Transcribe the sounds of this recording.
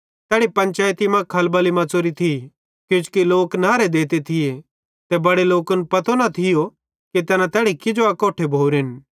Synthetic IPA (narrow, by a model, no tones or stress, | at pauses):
t̪ɛːɽipɐ̃ɲt͡ʃaːjt̪imãkʰɐlbɐlimɐt͡soːɾit̪ʰi | kjʊ̃t͡ʃu̥kiloːknaːɾed̪eːt̪et̪ʰɪje | t̪ebɐɽeloːkʊnpɐt̪ʰonɐt̪ʰɪjo | kit̪ɛːnãt̪ɛːɽikɪd͡ʒoɐkoːʈʰebʱoːuɾɪn